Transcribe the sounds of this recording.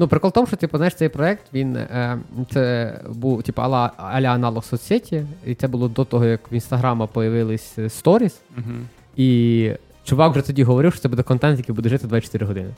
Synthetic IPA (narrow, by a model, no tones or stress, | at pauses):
nupɾɪkɔlˠt̪ɔmʊʃt͡ʃɔt̪ipɐznajɪʃt̪ɛjpɾɔɛk̚t̪ʋʲin | t̪sɛbuwtʲipɐɐ̰lˠɐlʲɐɐnɑlˠɔxsɔsʲetʲiit̪sɛbʊlˠɔd̪ɔt̪ɔɦɔjɐkʋinst̪ɐɦɾɑmɐpɔjɐʋɪlˠɪsʲst̪ɔɾʲisɦ | i | t͡ʃʊʋɑkwʒɛt̪ɔdʲiɦɔʋɔɾɪwʃt͡ʃɔt̪ɛbud̪ɛkɔnt̪ɛnt̪jɐkijbud̪ɛʒɪt̪ɪd̪ʋat͡ʃɔ̥t̪ɪɾɪɦɔd̪ɪnɪ